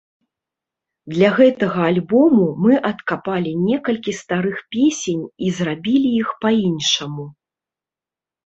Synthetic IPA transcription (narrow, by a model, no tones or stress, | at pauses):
d̪lʲɐɣɛt̪ɐɣɐalʲbɔmumɨʔɐt̪kapalʲinʲɛkɐlʲkʲist̪aɾɨxpʲesʲenʲizrabʲilʲijixpainʂɐmu